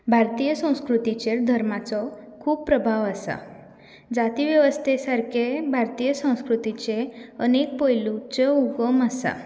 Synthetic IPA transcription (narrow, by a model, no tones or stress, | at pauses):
bʱaɾt̪ijəsə̃w̃skɾut̪it͡ɕeɾd̪ʱəɾmat͡sɔkʰuːb̚pɾəbʱaʋasa̰ | d͡zat̪iʋjəʋəst̪ʰesaɾkʰebʱaɾt̪ijəsə̃w̃skɾut̪it͡ɕeənek̚pojlut͡ɕeuɡəmasa̰